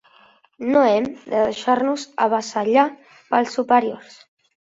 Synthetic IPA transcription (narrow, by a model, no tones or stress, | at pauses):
noɛmd̪əðəʃaɾnuzə̰βəsəʎa | pəlˠsːupəɾiors